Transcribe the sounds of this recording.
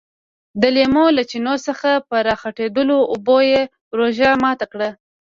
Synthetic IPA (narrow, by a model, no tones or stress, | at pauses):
d̪əlemolat͡ʃinosəxapəɾɑxaʈed̪əloʊboje | ɾoʒamɑt̪akɽa